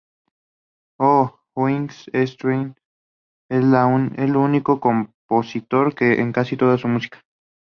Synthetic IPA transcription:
o | xwiŋsest̪ɾin | eslanelunikokomposit̪oɾkeʔḛŋkasit̪oðasumusi̥kḁ

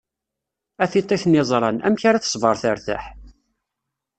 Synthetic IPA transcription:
æθit̪ˤːeθnɪzˤɾˤɑnæ̰mçaɾaθə̥sˤvəɾˤθəɾθæ̰ħ

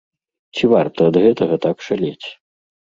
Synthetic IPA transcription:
t͡sʲivart̪ɐːd̪ɣɛt̪ɐɣɐt̪akʂalʲet͡sʲ

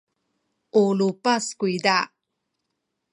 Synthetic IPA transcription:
ʔulupaskuida

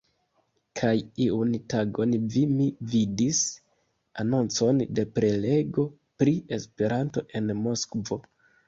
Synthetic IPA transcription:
kʰajiuntaɡo̞nvimividis | ano̞nt͡so̞nde̞pɾe̞le̞ɡo̞ | pɾie̞spe̞ɾanto̞ʔe̞nmo̞skvo̞

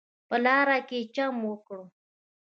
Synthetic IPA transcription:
pəlɑɾaket͡ʃamwəkɽo

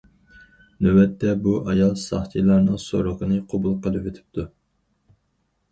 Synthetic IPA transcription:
nøwɛt̪ːɛbuʔɑjɑlˠsɑ̰χt̪ʰijlˠɑɾnɨŋsoɾoqənɨqʰobulˠqəlˠɨpwet̪ʰɪ̥p̚t̪ʰu

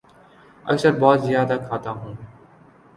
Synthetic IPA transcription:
ə̰ksəɾbɔːt̪zjaːd̪aːkʰaːt̪aːɦũː

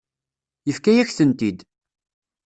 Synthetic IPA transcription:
jəfkæjæçθənt̪id̪

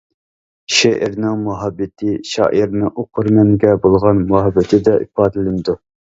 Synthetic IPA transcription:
ʃeʔɪ̰ɾnɪŋmuɦɑbːɪt̪ʰɪʃɑ̰ːʔiɾnɪʔoqʰʊɾmɛŋɡʲɛbolˠʁɑnmuɦɑbːɪt̪ʰɪd̪ɛʔḭpɑːd̪ɨlɪnd̪u

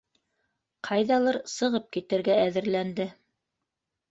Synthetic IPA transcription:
qʰɑjðɑlˠɤɾsɤ̆ʁɤp̚kit̪ɘ̆ɾɡæːðɘ̆ɾlænd̪ɘ

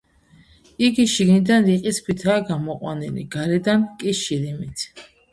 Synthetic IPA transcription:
iɡiʃiɡnid̪anɾiqʼiskʰwit̪ʰaːɡamɔqʼwa̰nilḭɡaɾɛd̪ankʼiʃiɾimit̪ʰ

